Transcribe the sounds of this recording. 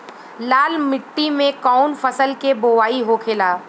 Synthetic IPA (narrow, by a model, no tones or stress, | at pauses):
laːlmɪʈːimẽkaːnfəsəlkeboːʋaːiɦokʰeːlaː